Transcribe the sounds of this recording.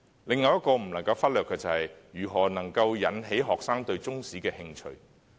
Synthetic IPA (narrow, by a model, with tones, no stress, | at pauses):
lɪ˨˧ŋːɐ˨˧wjɐ˥t̚kɔː˧m̩˨˩nɐ˨˩ŋkɐ˧wfɐ˥t̚lœː˨kːɛː˧t͡sɐ˨hɐ˨jjyː˨˩ɦɔː˨˩nɐ˨˩ŋkɐ˧wjɐ˨˥nɦe˨˥jɦɔː˨k̚saː˥ŋt̪ɵ˧ɥt͡sʊ˥ŋsiː˨˥kɛː˧hɪ˧ŋt͡ʃʰɵ̰˧ɥ